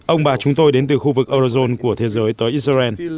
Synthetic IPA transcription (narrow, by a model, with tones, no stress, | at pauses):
ʔə˧wŋ͡mɓaː˨˩t͡ɕʊ˨˦ŋ͡mt̪o˧jɗe˨˦nt̪ɨ˨˩xu˧vɨ˨˩k̚ʔəː˧zi˧zo˧nku˧˩ət̪ʰe˨˦zəː˨˦jt̪əː˨˦jʔi˦˥sɛ˧n